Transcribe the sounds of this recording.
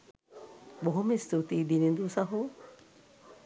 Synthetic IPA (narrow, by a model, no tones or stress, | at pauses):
boɦumist̪ut̪iːd̪inind̪usɐɦu